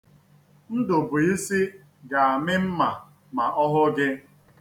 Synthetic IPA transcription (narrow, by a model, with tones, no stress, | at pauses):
n̩˦dʊ˨bʊ˨i˦si˦ | ɡa˨a˨mɪ˦m̩˦ma˨ | ma˨ʔɔ˦ɦʊ˦ɡɪ˦